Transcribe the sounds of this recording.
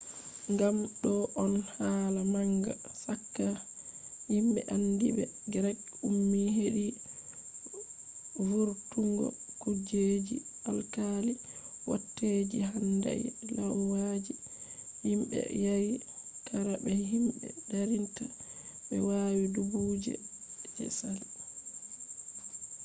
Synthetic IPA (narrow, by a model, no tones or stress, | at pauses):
ŋɡamɗɔʔɔnhaːlamaŋɡa̰sakːa | himɓɛ̰ʔandḭbɛ̰ɡɛɾɛkumːiɦeɗi | vuɾtuŋɡɔ̰kud͡ʒed͡ʒḭalkaliwɔtːed͡ʒiɦanda̰ilawwad͡ʒihimbɛ̰jawi | kʰaɾabɛɦimbɛ̰daɾintabɛwawidubud͡ʒɛ̰d͡ʒɛ̰sal